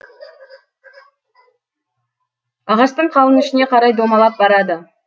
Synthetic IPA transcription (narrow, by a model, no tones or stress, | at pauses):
ɑʁɑʃt̪əɴqʰɑlˠənʏʃɪne̞qʰɑɾɑjd̪omɑlˠɑp̚bɑɾɑd̪ə